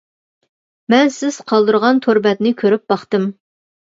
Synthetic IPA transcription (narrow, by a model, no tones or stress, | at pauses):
mɛnsɪz̥qʰɑlˠd̪uɾʁɑnt̪ʰoɾbɛt̪nɪkʲʰøɾyp̚bɑχt̪ɨm